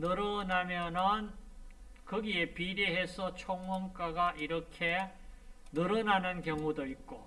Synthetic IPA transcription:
nɯɾɯnamjʌnɯn | kɯɡie̞piɾeɦe̞sʰʌt͡ɕʰoŋwʌmk͈aɡaʔiɾʌkʰe̞ | nɯɾɯnanɯnkjʌŋudoit̚k͈o

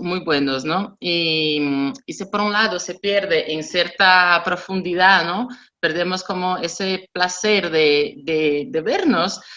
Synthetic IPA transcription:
mujβwenosnoimisepoɾunlaðosepjeɾðeʔeŋsjeɾt̪apɾofũnd̪iðano | peɾðemoskomoeseplaseɾðed̪ed̪eβeɾnos

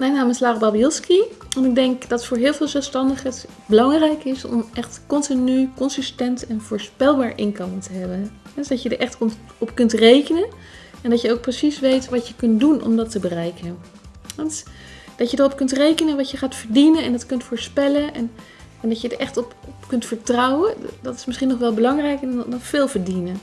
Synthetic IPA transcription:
majnaːməslaːχbɑbijɪlˠskiʋɑnɪɡ̚dɛŋkd̥ɑtfʊːɹɦɪːlˠveːlˠzɛlˠfstɑndəχət | bəlɑŋrɛjkɪsɔ̰mʔɛχtkɔntinykɔnsɪstɛntɛnv̥ʊːɹspɛlˠbaːɹʔɪnkɑntəɦɛbəɦɛdsdɑcjədəɹʔɛχt | ɔpkɵntrejkənənɛndɑjəowk̚prəsisʋejtʋɑtjəkɵntdunʔɔ̰mdɑtəbərɛjkən | ɑn | d̥ɑjədərɔpkɵntrejkənənʋɑtjəχaːtfəɹdinənɛndɑtkɵntfʊːɹspɛlənɛn | ɛndɑcjədəɹʔɛχtɔpɔpkɵntfəɹtrɑwədɑtɪ̥smɪsχinɔχʋɛlˠbəlɑŋrɛjkəɔfɪːlˠvəɹdinə

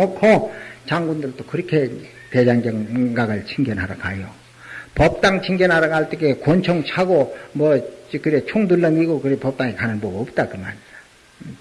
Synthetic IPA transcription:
ʌkʰot͡ɕaŋɡundɯɭt͈okɯɾʌkʰe̞ | ted͡ʑanɡjʌŋɡaɡɯɭt͡ɕʰiŋɡʌnɦaɾakajo | pʌp̚t͈aŋt͡ɕʰiŋɡʌnɦaɾaɡaɭt͈eɡekont͡ɕʰʌŋt͡ɕʰaɡomʌkɯɾet͡ɕʰoŋduɭːʌniɡokɯɾepʌp̚t͈aŋikanɯnbʌɡʌp̚t͈akɯmanidḁ

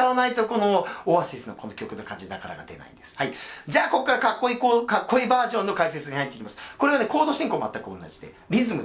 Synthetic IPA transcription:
aβanait̪o̞ko̞no̞oβasisɨno̰ko̞nokʲo̞kɯ̟nokãɲ̟d͡ʑid̪akaɾa̰ɡa̰d̪e̞̰na̰ḭnd̪esɨ̥haid͡ʑaːko̞kːaɾakakːo̞ikokakːo̞ibaːʑõ̞nːo̞kaise̞t͡sɨɲ̟ihait̪ːeikʲimasɨ̥ko̞ɾeane̞ko̞ːd̪o̞ːɕĩŋkoma̰t̪ːakɯo̞̰nːa̰d͡ʑid̪e̞̰ | ɾʲizɨmɯ̟

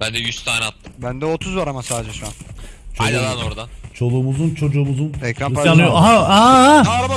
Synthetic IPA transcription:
bænd̪ɛjyst̪ʰaːnɛat̪ːɯmbænd̪ɛot̪ʰuzvaɾamasaːdd͡ʒɛʃuant͡ʃʰolˠuanoɾd̪at͡ʃʰo̞lˠuːmuzunt͡ʃʰo̞d͡ʒuːmuzunɛkɾanpaanujoaɦaaa

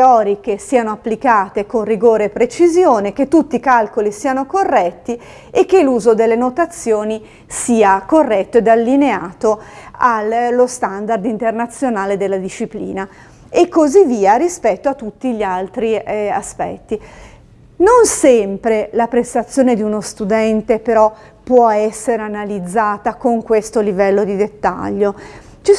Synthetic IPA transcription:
eɔːɾik̟esiːanoapːlikaːt̪ekonriɡoːɾeːpːɾet͡ʃizjoːnek̟et̪ːut̪ːikalkolisiːanokorːɛt̪ːi | ek̟ːeluːzod̪elːenot̪at̪sːjoːni | siːakorːɛt̪ːoed̪alːineaːt̪oalːost̪and̪ard̪int̪ernat̪sːjonaːled̪elːad̪iʃːiplḭːna | ekːozivːiːaɾispɛt̪ːoat̪ːut̪ːiʎialt̪ɾiaspɛ̰t̪ːi | nonsɛmpɾelapɾest̪at̪sːjoːned̪iunost̪ud̪ɛnt̪epeɾɔ | pːwɔɛsːeɾeanalid̪zːaːt̪akoŋkwest̪olivɛlːod̪id̪et̪ːa̰ʎːo | t͡ʃi

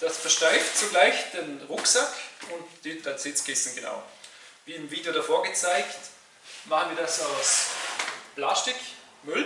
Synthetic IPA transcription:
d̥asfɛɐʃtaɪftsoɡlaɪçd̥enʁʊksakʊntd̥ɪtant͡sɪt͡skɪsn̩ɡəna̰ʊ | viːɪmviːdeoɾafoːɐɡət͡saɪkt | maχənviːɐdasaʊs | plastɪk | mʏl

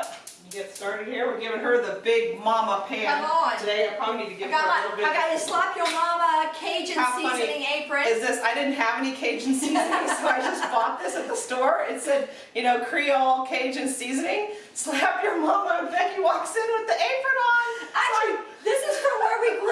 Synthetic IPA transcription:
jɨɡɛtstɑɹɾɨd̚hiɹwɪɡɪvɪ̃ŋə˞ðɨbɪɡ̚mɑməpʰæ̃notʰɨdeɪðə˞pʰɹ̥ɑ̃itɨɡɪvɪɾl̩ˠbɪaɪɡɑɨslapjə˞mɑməkʰeɪd͡ʒɨ̃aʊiʌninɪ̃ŋeɪpɹɨ̃ɨzðɪsaɪdɪdⁿn̩t̚ɦɨvɛnikʰeɪd͡ʒ̃n̩siznɪ̃ŋsoʊaɪd͡ʒʌsb̥ɔt̪̚ðɪsɨt̪̚ðəstɔɹɪtsɛd̚ | jɨñoʊkʰɹ̥iɔllˠkʰeɪd͡ʒɨ̃nsizɨ̃nɪ̃ŋ | sʊlpjə˞mɑməfɛ̃njɨwɔksɪ̃nwɨðiʔeɪpɹə̃ñnaɪlaɪk | ðɪsɨz̥ə˞ləɹil

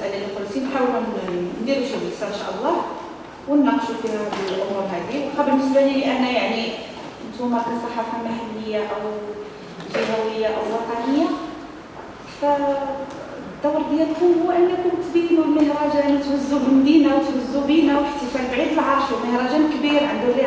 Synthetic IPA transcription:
sʔælaəlfʊlusinħawəlnd̪iɾʃibəsɑnʃæ̰ʔəlˤːɑ | wənːɑqʃufihædlʔʊmuɾɦæd̪iwxɑbəlməsbæhiliʔænːæjaʕni | nt̪umæbisˤɑħɑfɑmahælːəjːaʔəw | ʒæɦæwəjːaʔəwwɑt̪ˤɑnəjːa | fæ | d̪ːɑwɾˤd̪jælk̪ʊhʊwwːæʔənːækʊnt̪b̪inulməhɾˤɑʒænt̪wæzːubəlmd̪inawt̪wæzːubinawəħt̪əfælbʕid̪əlʕɑɾˤʃlməhɾˤɑʒænkbiɾʕənd̪uli

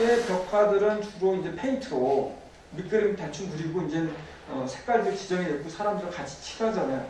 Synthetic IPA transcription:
epjʌkʰadɯɾɯnt͡ɕuɾoind͡ʑe̞pʰeintʰɯo | mik͈ɯɾemtat͡ɕʰumkɯɾiɡoind͡ʑe | ʌsʰe̞k͈aɭdet͡ɕid͡ʑʌŋeet̚k͈osʰaɾamdɯɾɯɭkat͡ɕʰi̥t͡ɕʰi̥ɡad͡ʑanajo

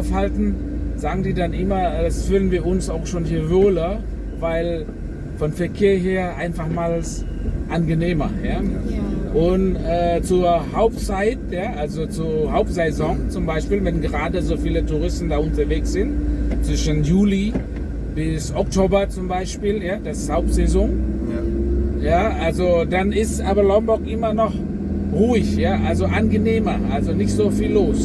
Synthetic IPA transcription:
ʊfhaltn̩zaːɡŋ̩diːdanʔɪmɐdasfʏːdnviːɐʊnsaʊxʃoːnhiːɐvoːlɐ | vaɪl | fɔnfɛɐkʰeːɐɦeːɐʔaɪnfaχmaːls | ʔanɡəneːmɐjaː | ʔʊntʔɛːt͡suɐɦaʊptt͡saɪtjaːʔalzot͡suɐɦaʊp̚tz̥ɛzɔŋt͡sʊmbaɪʃpiːlvɛnɡəʁaːdəzoːfiːlətʰuʁɪstn̩daːʊntɐveːksz̥ɪntt͡sv̥ɪʃənjuːli | b̥ɪsɔktʰoːbɐt͡sʊmbaɪʃpiːljaːd̥asɪshaʊp̚tz̥ɛzɔŋ | jaːʔalzod̥anɪstaːbɐlɔmbɔkʔɪmɐnɔχ | ʁuːɪçjaːʔalzoʔanɡəneːmɐʔalzonɪçtz̥oːfiːlːoːs

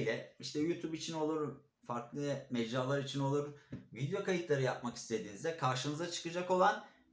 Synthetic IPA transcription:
lʲɛiʃt̪ʰɛjut̪ʰubit͡ʃʰino̞lˠuɾ | faɾklˠɯmɛd͡ʒaːlˠaɾit͡ʃʰino̞lˠuɾvid̪ejo̞kajit̪lˠaɾɯjap̚maki̥st̪ʰe̞d̪iːnizd̪ɛkʰaɾʃɯnɯzat͡ʃʰɯ̥kɯd͡ʒako̞lˠan

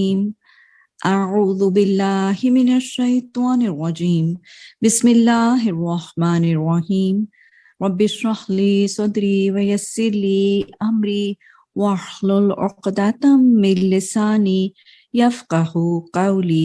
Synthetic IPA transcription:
iːm | ʔaʕuːðʊbɪlːaːhɪmɪnaʃːajt̪ˤɑːnɪrˤːɑd͡ʒiːmbɪsmɪlːaːɦɪrˤːɑhmaːnɪrˤːɑhiːm | ɾˤɑbːɪʃɑhliːsˤɑd̪ɾiːwajasːɪɾliːʔamɾiː | waħlʊlʕʊ̰qd̪at̪ːɪlːɪsaːni | jafqɑhqawliː

